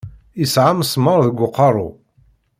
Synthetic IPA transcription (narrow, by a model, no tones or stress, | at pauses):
isʕamsməɾˤðəɡʷːʊqːɑɾˤṵ